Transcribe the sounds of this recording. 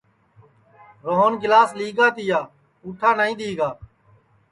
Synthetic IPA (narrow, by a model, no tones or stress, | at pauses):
ɾoɦoːnɡɪlaːsliːɡaːt̪ɪjaː | uːʈʰaːnaːĩːɗ̪iːɡaː